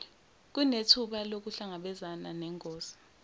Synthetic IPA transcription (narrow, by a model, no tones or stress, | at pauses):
k̬unetʰuɓalok̬uɬaŋaɓɛzananɛŋkʼoːsi̥